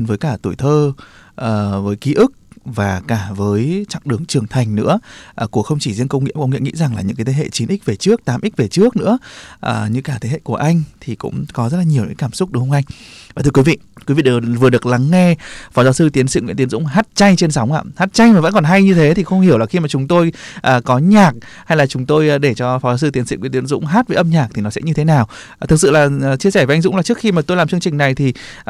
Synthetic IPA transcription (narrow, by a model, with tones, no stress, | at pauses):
nvəː˨˦jkaː˧˩t̪u˧˩jt̪ʰəː˧ | ʔəː˨˩vəː˨˦jki˨˦ʔɨ˦˥k̚vaː˨˩kaː˧˩vəː˨˦jt͡ɕa̰˧˨ŋɗɨ˨˩əŋt͡ɕɨ˨˩əŋt̪ʰa˨˩jŋ̟nɨ̰˧˥əʔːku˧˩əxə˧wŋ͡mt͡ɕi˧˩zənkə˧wŋ͡mŋḭ˧˨kʊ̰˧wŋ͡mḭ˧˨ŋḭ˧˥za˨˩ŋlaː˨˩ɲɨ̰˧˥kaː˨˦jt̪ʰe˨˦ɦḛ˧˨t͡ɕi˨˦nʔi˦˥k̚ve˨˩t͡ɕɨ˦˥ək̚t̪aː˨˦mʔi˦˥k̚ve˨˩t͡ɕɨ˦˥ək̚nɨ̰˧˥əʔəː˨˩ɲɨ̰˧˥kaː˧˩t̪ʰe˨˦ɦḛ˧˨ku˧˩əʔa˧jŋ̟t̪ʰi˨˩kʊ̰˧˥ŋ͡mkɔ˨˦zə˦˥t̚la˨˩ɲi˨˩əwɲ̰ː˨˧˨kaː˧˩msʊ˦˥k͡p̚ɗu˨˦hwŋ͡mʔa˧ŋ̟vaː˨˩ɨ˧ə˧wi˨˦vḭ˧˨kwvḭ˧˨˩vɨ˨˩ə˩ɨ˨˩ək̚la˨˦ŋːɛ˧fɔ˨˦zaː˨˦wsɨ˧t̪i˨˦ənsḭ˧˨ŋ̰˧˥nt̪i˨˦ənzʊ̰˧˥ŋ͡mɦaː˦˥t̚t͡ɕa˧jt͡ɕe˧nsa˨˦wŋ͡mʔa̰ː˧˨haː˦˥t̚t͡ɕa˧jma˨˩ə̰˧˥nkɔ˨˩nɦa˧jɲɨ˧t̪ʰe˨˦t̪ʰi˨˩xə˧wŋ͡mhi˧˩əwlaː˨˩xi˧maː˨˩t͡ɕʊ˨˦ŋ͡mt̪o˧jʔəː˨˩kɔ˨˦ɲaː˨˩k̚ | ha˧jlaː˨˩t͡ɕʊ˨˦ŋ͡mt̪o˧jɗe˧˩t͡ɕɔ˧fɔ˨˦zaː˨˦s̬ɨ˧t̪i˨˦nsḭ˧˨w̰t̪i˨ə˦nzʊ̰˧˥ŋ͡mɦaː˦˥t̚və˨˦ʔə˧mɲaː˨˩k̚t̪ʰi˨˩nɔ˨˦sɛ̰˧˥ɲɨ˧t̪ʰe˨˦naː˨˩w | t̪ʰɨ˨˩k̚sɨ̰˧˨laː˨˩˨t͡ɕi˧sɛ˧˩ve˨˦ʔa˧ŋzʊ̰˧˥ŋ͡mlːa˨˩t͡ɕɨ˦˥əkxi˧maː˨˩t̪o˧jlaː˨˩t͡ɕɨ˧əŋt͡ɕï˨˩ŋ̟na˨˩jt̪ʰi˨˩